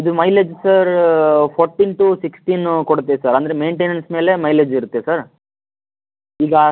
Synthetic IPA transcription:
ɐd̪umɐjled͡ʒsɐɾpʰoːɾʈiːnʈusiksʈiːnkoɽut̪ːesɐɾɐnd̪ɐɾeme̞ːɳʈeːnɐnsme̞ːle̞mɐjled͡ʒiɾut̪ːesɐɾ | iːɡɐ

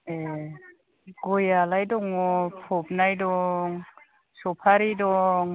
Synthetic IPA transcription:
e | ɡɔjalajdɔŋɔpʰɔp̚najdɔŋ | sɔpʰaɾidɔŋ

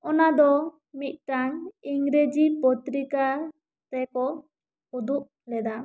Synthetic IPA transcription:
ɔnad̪ɔ | mit̪̚ˀʈaŋiŋɾed͡ʒipɔt̪ɾika | t̪ɛkɔ | hud̪uʔ | lɛd̪a

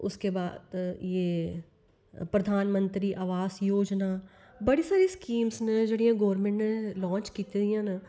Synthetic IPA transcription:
ʊ̰skebaːd̪jeː | pɾəd̪ʱaːnmə̃nt̪ɾiːʔaːʋaːsjoːd͡ʒnaː | bəɽisaːɾiskiːmsned͡ʒeːɽijãːɡoːəɾmẽːɳʈnelɔ̃ːɲt͡ʃkiːt̪edijãːn

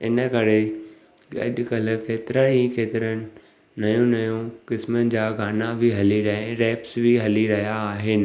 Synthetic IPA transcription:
ɪnəkɐɾe | ɠɐ̰ʄkɐl̆keːt̪ɪɾəikeːt̪ɪɾənɪ̆ | nɐjũnɐjũkɪsmənɪ̆d͡ʑaːɡʱaːnabʱiɦɐliɾɐɦẽɾɛːpsbʱiɦɐliɾɐɦijaːɦɪnɪ̆

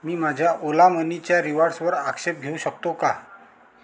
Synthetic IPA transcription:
miːmad͡ʑʱjaʔolamənit͡ɕjaɾiʋaɾsʋəɾakɕep̚ɡʱeuɕəkt̪oka

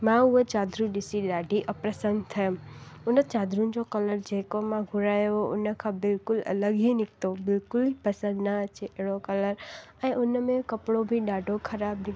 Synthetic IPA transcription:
mãʊet͡ʃaːd̪ɾũɗɪsiɗaːɖʱiʔəpɾəsənt̪ʰɐjʊmʊnət͡ʃaːd̪ɾũn̆d͡ʑokɐləɾd͡ʑeːkomãɡʱʊɾaːjoɦoʔʊnəkʰãbɪlkʊlɐ̰ləɡɦinɪkt̪obɪlkʊlipɐsə̃nd̪nəɐt͡ʃeʔeɦɽokɐləɾɛ̃ːʔʊnəmẽkɐpɽobʱiɗaːɖʱokʰɐɾaːbnɪ

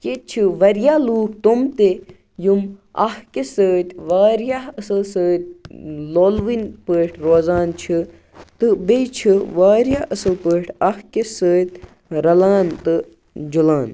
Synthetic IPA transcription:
ket͡ʃʰɨʋɐɾjaːluːk̚t̪umt̪e | jumɐ̰hkesəːt̪ʲʋaːɾjaɐsɨlsəːt̪̚ʲloːlʋinpəːʈʰɾoːzaːnt͡ʃʰi | t̪ɨbet͡ʃʰiʋaːɾjaːɐsɨlpəːʈʰʲɐhkesəːt̪̚ʲ | ɾɐlaːnt̪ɨ | d͡ʒulaːn

